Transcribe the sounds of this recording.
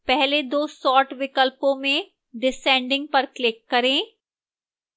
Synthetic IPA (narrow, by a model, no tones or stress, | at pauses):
pɛɦled̪oːsɔːʈʋɪkəlpõmẽ | ɖɪsɛ̃ːɳɖɪ̃ŋɡ̚pɐɾklɪkːɐɾẽː